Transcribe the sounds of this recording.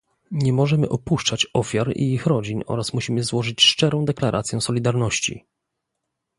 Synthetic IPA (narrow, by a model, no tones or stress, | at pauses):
ɲɛmɔʐɛmɘ̰ʔɔpuʂt͡ʂat͡ɕɔfʲjaɾḭixɾɔd͡ʑinɔ̰ɾasmuɕimɘzwɔʐɘt͡ɕʂt͡ʂɛɾɔ̃w̃d̪ɛklaɾʔa̰t̪sʲjɛsɔlʲid̪aɾnɔɕt͡ɕḭ